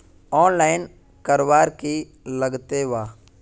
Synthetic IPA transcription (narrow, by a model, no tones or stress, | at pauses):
ɔːnlaːɪn | kəɾʋaːɾki | ləɡt̪eʋaː